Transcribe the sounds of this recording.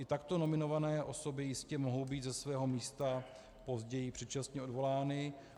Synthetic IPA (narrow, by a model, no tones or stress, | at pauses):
ʔɪt̪akt̪o̞no̞mɪno̞vanɛːʔo̞so̞bɪjɪscɛmo̞ɦo̞wbiːt̪zɛsvɛːɦo̞miːst̪a | po̞zɟɛjɪpr̝̥ɛt̪̚t͡ʃast̪ɲɛo̞dvo̞laːnɪ